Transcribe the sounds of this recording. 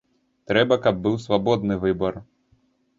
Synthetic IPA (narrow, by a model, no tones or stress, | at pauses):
t̪ɾɛbɐkɐb̚ːɨwsvabɔd̪̚nɨvɨbɐr